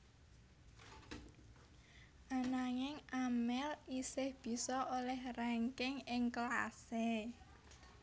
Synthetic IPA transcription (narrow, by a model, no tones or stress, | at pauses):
ʔanaŋɪŋʔamɛlisɪhb̥i̤sɔʔolɛhrɛŋkɪŋɪŋkla̰se